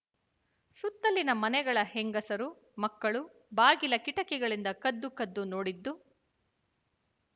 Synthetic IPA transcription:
sut̪ːɐlːinɐmɐnɛɡɐɭɐhɛŋɡɐsɐɾu | mɐkːɐɭu | baːɡilɐkiʈɐkɛɡɐɭind̪ɐkɐd̪ːukɐd̪ːunoːɽid̪ːu

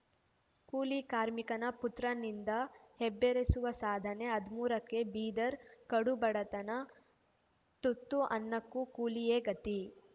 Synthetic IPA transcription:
kuːlikaːɾmikɐnɐput̪ɾɐnind̪ɐhebːeɾesuʋɐsaːd̪ʱɐne̞ɐd̪muːɾɐkːe̞biːd̪ɐɾkɐɽubɐɽɐt̪ɐnɐ | t̪ut̪ːuʔɐ̰nːɐkːukuːlijeːɡɐt̪i

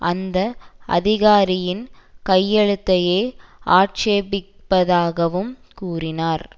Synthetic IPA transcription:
ʔɐnd̪ɐʔɐ̰ðɪɣaːɾɪjɪnkɐjːɛɻɯt̪ːɐjeːʔaːʈt͡ʃeːbɪpːɐðaːɣɐʋɯmkuːrɪnaːɾ

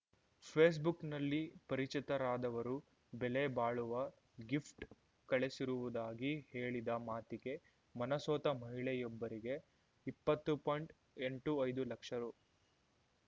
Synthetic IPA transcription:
pʰeːs̬buknɐlːipɐɾit͡ʃit̪ɐɾaːd̪ɐʋɐɾu | belebaːɭuʋɐ | ɡifʈ | kɐɭesiɾuʋud̪aːɡihe̞ːɭid̪ɐmaːt̪iɡe̞ | mɐnɐsɔːt̪ɐmɐɦiɭɛjɔbːɐɾiɡe̞ | ipːɐt̪ːupojɳʈ | eɳʈuɐjd̪ulɐkʂɐɾu

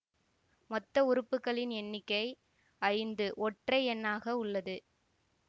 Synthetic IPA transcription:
mɔt̪ːɐʊɾɯpːɯkːɐɭɪnɛnːɪkːɐɪ | ɐɻɪnd̪ɯʔɔʈrɐɪɛnːaːɣɐʊɭːɐðɯ

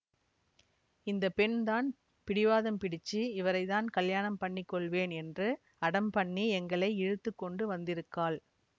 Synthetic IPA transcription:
ɪnd̪ɐpɛɳt̪aːn | pɪɽɪʋaːðɐmpɪɽɪt͡ʃːiɪʋɐɾɐɪt̪aːnkɐljaːnɐmpɐɳːɪkːɔɭʋeːnɛndrɯ | ɐɽɐmpɐɳːiɛŋɡɐɭɐɪɛɻɯt̪ːɯkːɔɳɖɯʋɐnd̪ɪɾɯkːaːl

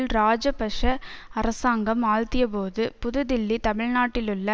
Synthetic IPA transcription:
lɾaːd͡ʒɐpɐʂɐɐɾɐsaːŋɡɐmaːɻt̪ɪjɐp̬oːðɯpʊðɯd̪ɪlːit̪ɐmɪɻnaːʈːɪlʊɭːɐ

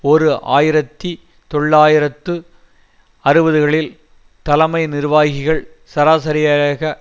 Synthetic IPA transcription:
ɔɾɯʔa̰ːjɪɾɐt̪ːi | t̪ɔɭːaːjɪɾɐt̪ːɯ | ɐɾɯʋɐðɯɣɐɭɪl | t̪ɐlɐmɐɪnɪɾʋaːɣɪɣɐɭ | sɐɾaːsɐɾɪjaɐɣɐ

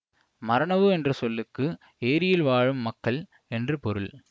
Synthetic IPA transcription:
mɐɾɐɳɐʋɯɛndrɯsɔlːɯkːɯ | eːɾɪjɪlʋaːɻɯmːɐkːɐɭ | ɛndrɯpɔɾɯɭ

